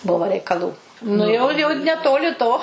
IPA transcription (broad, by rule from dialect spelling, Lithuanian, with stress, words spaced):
ˈbʊʋoː rʲɛɪkɐˈlˠuː nʊ jɛʊ ˈjɛʊ nʲɛˈtoːlʲɪ toː